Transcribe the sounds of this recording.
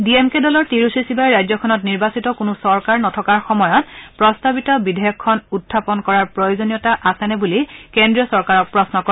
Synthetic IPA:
diemkedɔlɔɹtiɹusisibaɹɹajzɔkʰɔnɔtniɹbasitɔkunusɔɹkaɹnɔtʰɔkaɹxɔmɔjɔt̚pɹɔstabitɔbidʱeɔkʰːɔnutʰːapɔnkɔɹaɹpɹojozonijɔtaʔasɛnɛbulikendɹiɔsɔɹkaɹɔk̚pɹɔsnɔkɔ

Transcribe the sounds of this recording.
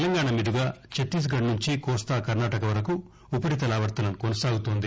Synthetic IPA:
lɐŋɡaːɳɐmiːɾuɡaːt͡ʃeʈːiːs̬ɡɐɽnuɲt͡ʃikɔːst̪aːkɐɾnaːʈɐkɐʋɐɾɐku | upɐʈit̪ɐlaːʋɐɾt̪ɐnɐmkonɐsaːɡut̪oːnd̪i

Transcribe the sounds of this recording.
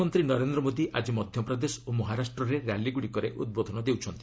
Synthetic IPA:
ɔnt̪ɾinɔɾend̪ɾɔmod̪iʔad͡ʒimɔd̪ʱjɔpɾɔd̪esɔ̥omɔɦaɾasʈɾɔɾeɾja̰liɡuɽikɔɾeʔṵd̪̚bod̪ʱɔnɔd̪ewt͡ʃʰɔnt̪i

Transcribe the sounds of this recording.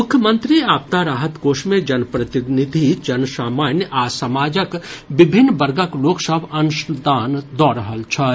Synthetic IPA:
mʊkʰjəmə̃nt̪ɾiaːp̚t̪aɾaːɦət̪ɡoːʃmẽd͡ʒɐnpɾɐt̪ɪnɪd̪ʱid͡ʒɐnsaːmaːnjəʔaːsɐmaːd͡ʒəkʋɪbʱɪnːbɐɾɡəkloːksəbɐnʊʃd̪aːnd̪ɔːɾəɦəlt͡ʃʰɐ

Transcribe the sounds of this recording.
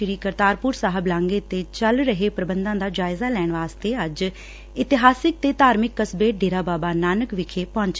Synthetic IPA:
ɾiːkəɾt̪aːɾpʊɾsaːɦəblãːŋɡeːt̪eːt͡ʃəlɾəɦeːpɾəbənd̪ãːd̪aːd͡ʒaːɪzaːlɛːɳʋaːst̪eːəd͡ʒ | ɪt̪ɪɦaːsɪk̚t̪eːt̪aːɾmɪkːəsbeːɖeːɾaːbaːbaːnaːnəkʋɪkʰeːpɔ̃ːɲt͡ʃ

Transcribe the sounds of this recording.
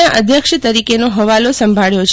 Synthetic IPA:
aʔəd̪ʱjəkʃət̪əɾikenoɦəʋalosəmbʱaɭjot͡ʃʰ

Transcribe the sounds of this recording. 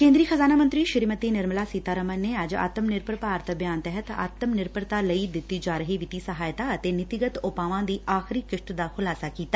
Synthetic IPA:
kẽːnd̪ɾiːxəzaːnaːmə̃nt̪ɾiːʃɪɾmət̪iːnɪɾmlaːsiːt̪aːɾəmənnːeːɐd͡ʒa̰ːt̪əmnɪɾpəɾpaːɾt̪əbjaːnt̪ɛɦət̪a̰ːt̪əmnɪɾpəɾt̪aːləid̪ɪt̪ːiːd͡ʒaːɾəɦiːʋɪt̪iːsɐɦaːjt̪aːət̪eːnɪt̪ɪɡət̪ʊpaːʋãːd̪iːʔaːxɪɾiːkɪʃʈd̪aːxʰʊlaːsaːkiːt̪aː

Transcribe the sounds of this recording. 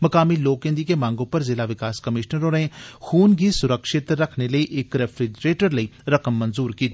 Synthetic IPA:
mɐkaːmiloːkẽnd̪ikemãːŋɡõpɐɾzɪlaʋɪkaːskɐmɪʃnəɾonexuːnɡisʊɾəkʃɪt̪ɾɐkʰneləiʔeːkɾɛpʰɾed͡ʒɾeːʈəɾləiɾɐkəmːɐ̃nzuːɾkiːt̪ː

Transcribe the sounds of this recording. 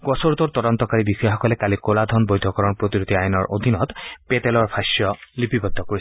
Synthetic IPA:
ɡɔsɔɾut̪ɔɾt̪ɔdɔnt̪ɔkaɾibisɔjaɔkɔlekalikolad̪ʱɔnbojd̪ʱɔkɔɾɔnpɾot̪iɾut̪iajɔnɔɹʔo̰d̪ʱinɔt̪pet̪elɔɹpʰaʃjɔlipibɔt̪ːɔkoɾi

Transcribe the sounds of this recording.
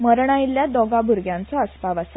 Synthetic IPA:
məɾɳ̃ailːjad̪ɔɡabʱuɾɡjãnt͡sɔəspaʋas

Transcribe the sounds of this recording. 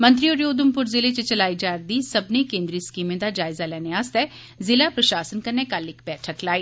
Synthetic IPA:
mɐ̃nt̪̬ɾioːɾjoːd̪əmpʊɾzɪlet͡ʃet͡ʃɐlaːid͡ʒaːɾd̪iːsɐbnekẽːnd̪ɾiskiːmẽd̪ad͡ʒaːɪzalɛːneaːst̪ɛː | zɪlapɾɐʃaːsənkɐɾnekalɪkʰbɛːʈʰəklaːiː

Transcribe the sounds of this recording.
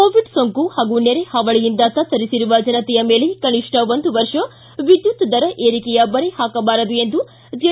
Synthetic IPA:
koːʋiɖsoŋkuhaːɡuneɾehɐʋɐɭɛjind̪ɐt̪ɐt̪ːɐɾisiɾuʋɐd͡ʒɐnɐt̪ɛjɐme̞ːlekɐniʂʈɐʋond̪uʋɐɾʂɐ | ʋid̪jut̪ːɐd̪ɐɾɐʔeːɾikɛjɐbɐɾehaːkɐbaːɾɐd̪ue̞nd̪u | d͡ʒɐ

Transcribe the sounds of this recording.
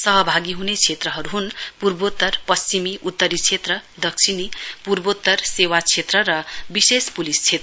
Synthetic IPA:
sʌɦʌbʱaɡiɦunet͡sʰet̪rʌɦʌɾuɦunpurbot̪ːʌrpʌst͡ʃimiʔut̪ːʌɾit͡sʰet̪rʌd̪ʌk̚sʰinipurbot̪ːʌrsewat͡sʰet̪rʌɾʌbisespulist͡sʰet̪rʌ

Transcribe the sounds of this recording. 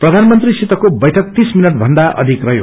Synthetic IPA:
prʌd̪ʱanmʌnt̪risit̪ʌkobʌjʈʰʌk̚t̪isminʌʈ̚bʱʌnd̪aʔʌ̰d̪ʱikrʌjo

